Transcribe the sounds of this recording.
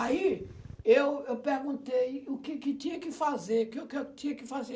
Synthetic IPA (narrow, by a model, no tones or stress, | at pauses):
ai | ewewpeɾɡũt̪ejʊkɪkɪt̪ĩɲɐkɪfazeɾʊkɪʊket̪ĩɲɐkɪfaze